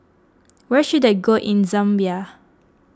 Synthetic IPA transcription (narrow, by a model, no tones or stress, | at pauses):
wɛʃudeɡoʔĩnzãmbia